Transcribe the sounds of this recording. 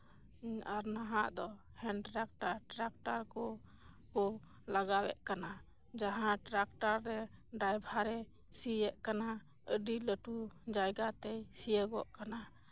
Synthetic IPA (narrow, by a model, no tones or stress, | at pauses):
aɾnaɦaʔd̪ɔhɛɳʈɾak̚ʈaɾʈɾak̚ʈaɾkɔ | kɔ | laɡawɛ̰ʔ̚kana | d͡ʒaɦãʈɾak̚ʈaɾːɛɖajbʱaɾɛ | sijɛʔkana | əɖiləʈud͡ʒajɡat̪ɛjsijəɡɔʔkana